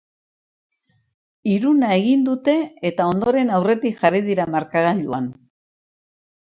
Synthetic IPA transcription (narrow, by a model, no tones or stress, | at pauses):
iɾunae̞ɣind̪ut̪e̞ːt̪ao̞nd̪o̞ɾe̞nawre̞t̪ikʝariðiɾamaɾkaɣaʎuan